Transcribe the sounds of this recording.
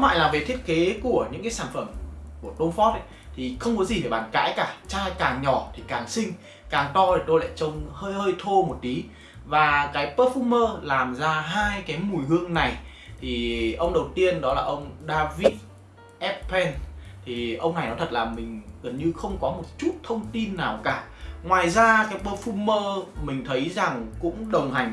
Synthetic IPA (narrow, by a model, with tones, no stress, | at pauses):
ɔ˨˦la̰ː˧˨jlaː˨˩ve˨˩t̪ʰi˦˥ət̚ke˨˦ku˧˩əɲɨ̰˧˥ŋkaː˨˦saː˧˩nfə˧˩mku˧˩əɗo˧nfɔ˦˥t̚ | t̪ʰi˨˩xə˧wŋ͡mkɔ˨˦zi˨˩e˧˩ɓaː˧˩nka̰ː˧˥jkaː˧˩t͡ɕaː˧jkaː˨˩ŋɲɔ˧˩t̪ʰi˨˩kaː˨˩ŋsï˧ŋ̟ | kaː˨˩ŋt̪ɔ˧tʰe˨˩t̪o˧jla̰ː˧˨jt͡ɕə˧wŋ͡mhəː˧jhəː˧jt̪ʰo˧mo˨˩t̚t̪i˨˦ | vaː˨˩kaː˨˦jpəː˦˥t̚fu˧məː˧laː˨˩mzaː˧ɦaː˧jkaː˨˦jmu˨˩jhɨ˧əŋna˨˩j | t̪ʰi˨˩ʔə˧wŋ͡mɗə˨˩wt̪i˧ənɗɔ˨˦laː˨˩ʔə˧wŋ͡mɗaː˧vi˦˥t̚ | ʔɛ˦˥p̚pʰɛ˧nt̪ʰi˨˩ʔə˧wŋ͡mna˨˩jnɔ˨˦t̪ʰə˨˩t̚laː˨˩mï˨˩ŋ̟ɣə˨˩nɲɨ˧xə˧wŋ͡mkɔ˨˦mo˨˩t̚t͡ɕu˦˥t̚t̪ʰə˧wŋ͡mt̪i˧nːaː˨˩wkaː˧˩ | ŋwaː˨˩jzaː˧kaː˨˦jpəː˧˥fu˧məː˧mï˨˩ŋ̟t̪ʰə˨˦jza˨˩ŋkʊ̰˧˥ŋ͡mɗə˨˩wŋ͡mha˨˩jŋ̟